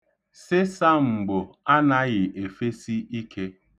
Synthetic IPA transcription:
sɪ˦sa˦ŋ͡m̩˨ɡ͡bʊ˨a˦na˦ɣɪ˨ʔe˨fe˦si˦i˦kʰe˦

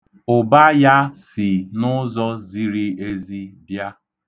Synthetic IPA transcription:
ʊ˨ba˦ja˦si˨nʊ˦zɔ˦zi˦ɾi˦e˦zi˦dja˦

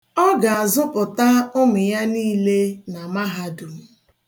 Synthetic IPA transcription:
ɔ˦ɡa˨a˨zʊ˦pʊ˨ta˦ʊ˦mʊ˨ja˦niː˦le˦na˨ma˦ɦa˦dʊ˨m̩˦

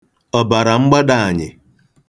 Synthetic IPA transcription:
ɔ˨ba˨ɾa˨ŋ͡m̩˦ɡ͡ba˦da˨a˨ɲɪ̰˨

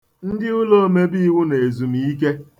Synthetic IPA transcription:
n̩˦dɪ˦ʊ˦lo˦˨me˦bi˦wʊ˦ne˨e˨zu˨mi˨i˦k̬e˦

